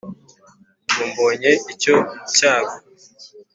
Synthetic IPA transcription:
ɡuːmboːɲe̞ico̞caːɡo

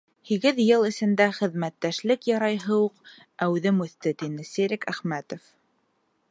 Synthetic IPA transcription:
hiɡɘðjɤlˠɘ̆sɘ̆nd̪æχɘ̆ðmæt̪ːæʃlɘkjɑɾɑjɦɤwuq | æwʉðɘmʉθt̪ɘt̪inɘsiɾɘkæχmæt̪of

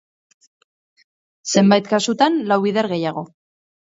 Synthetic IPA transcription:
se̞mbajt̪kasut̪anlawβiðeɾɣe̞jaɣ̞o̞

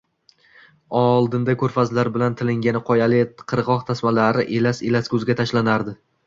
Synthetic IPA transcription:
ɒlˠd̪ɪnd̪akʰɵɾfazlaɾbɪlant̪ʰɪlɪŋɡʲanɪqʰɒjalɪt̪qʰɨɾʁɒqt̪ʰasmalaɾɪʔelaselaskʲʰɵzɡʲat̪ʰaʃlanaɾd̪ɪ

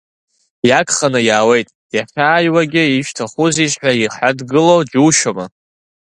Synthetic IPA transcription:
jakʰχanɨjaːwe̞jtʼ | jaχʲaːjwaɡʲɪiʃᶣtʰaχuziʃʼħʷaiħʷadɡɨlowd͡ʒuʃama

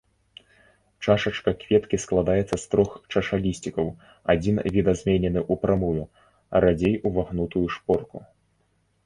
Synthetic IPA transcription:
t͡ʂaʂɐt͡ʂkɐkvʲɛt̪kʲisklˠad̪ajɛt̪sːɐst̪ɾɔxt͡ʂɐʂalʲisʲt͡sʲikɐw | a̰d͡zʲinvʲid̪ɐzʲmʲɛnʲɛnɨʔupɾamuju | ɾad͡zʲejuvaɣnut̪ujuʂpɔrku

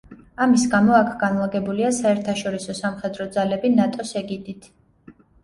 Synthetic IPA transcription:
amisɡamɔakʰɡ̥anlaɡɛbuliasaɛɾt̪ʰaʃɔɾisɔsamχɛd̪ɾɔd̪zalɛbinat̪ʼɔsɛɡid̪it̪ʰ

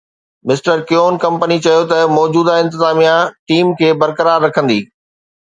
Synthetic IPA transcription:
mɪsʈəɾkjoːnkɐ̃mpənit͡ɕɐjot̪ɐmɔːd͡ʑuːd̪aɪ̃nt̪ɪzaːmijãʈiːmkʰeːbɐɾkəɾaːɾːɐkʰə̃nd̪ḭː

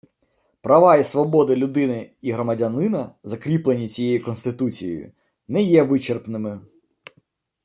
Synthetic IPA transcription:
pɾɐʋɑisʋɔbɔd̪ɪlʲʊd̪ɪnɪiɦɾɔmɐdʲɐnɪnɐzɐkɾʲiplˠenʲit͡sʲijejikɔnst̪ɪt̪ut͡sʲijḛjʊ̰ | nɛjɛʋɪt͡ʃerpnɪmɪ

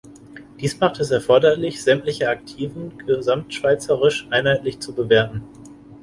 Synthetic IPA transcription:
d̥iːsmaχtɛsɛɐfɔɐdɐlɪçz̥ɛmtlɪçəak̚tʰiːvn̩ɡəzamtʃv̥aɪt͡səʁ̞ɪʃʔaɪnhaɪtlɪçt͡subəveːɐtn̩

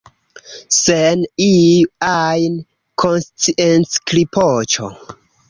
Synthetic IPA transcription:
seniajn | kʰonst͡siʔensklipʰot͡ʃo̰

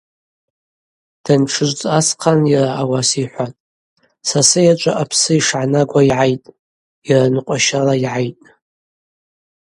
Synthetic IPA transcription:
d̥anʈ͡ʂʰɨʒʷt͡sʼasqʰanjaraawasiħʷatʼ | sasɨjat͡ʃʷʼaʔapʰsɨiʂʕanaɡʷaiʕajtʼ | jaranɨqʷʼaʃalaiʕajtʼ

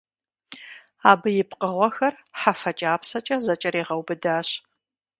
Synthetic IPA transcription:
aːbɨjɪpqəʁʷɔxɐrħafɐt͡ʃʼaːpsɐt͡ʃʼɐzɐt͡ʃʼɐɾeːʁɐwbɨdaːɕ

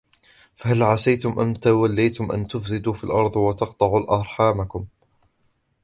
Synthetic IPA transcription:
fahalʕasajt̪ʊmʔamt̪awalːajt̪ʊmʔa̰nt̪ʊfsɪd̪uːfilʔɑɾˤðˤwat̪ɑqt̪ˤɑʕuːlʔɑɾˤħaːmakʊm

